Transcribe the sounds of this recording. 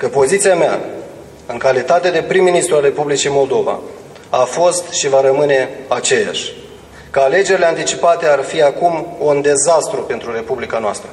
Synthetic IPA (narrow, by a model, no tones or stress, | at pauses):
kəpo̞zit̪siamea | ɨŋkalit̪at̪e̞d̪e̞pɾimːinist̪ɾualre̞publit͡ʃimo̞ld̪o̞va̰ | afo̞st̪ʃivaɾəmɨne̞at͡ʃe̞ja̰ʃʲ | kəale̞d͡ʒe̞ɾile̞ant̪it͡ʃipat̪e̞arfiakumund̪e̞zast̪ɾupe̞nt̪ɾuɾe̞publikanoa̰st̪ɾə